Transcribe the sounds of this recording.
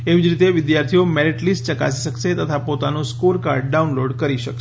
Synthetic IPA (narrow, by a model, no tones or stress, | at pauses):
eʋid͡ʒɾit̪eʋɪd̪jaɾt̪ʰijomɛleʈlisʈt͡ʃəka̰siʃəkʃet̪ət̪ʰapot̪anũskulkaɾɖɖaunloɖkəɾiʃəkʃ